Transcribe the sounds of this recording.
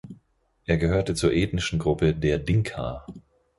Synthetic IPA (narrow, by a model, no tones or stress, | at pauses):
ʔeːɐɡəhøːɐtət͡suːɐʔeːtnɪʃn̩ɡʁʊpədeːɐdɪŋkʰa̰ː